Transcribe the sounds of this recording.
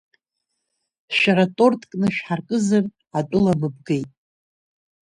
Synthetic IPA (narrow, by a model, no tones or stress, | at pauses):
ʃᶣaɾatʼo̞rtʼkʼnɨʃᶣħarkʼɨzɨr | atʼʊlabɨb̚ɡejtʼ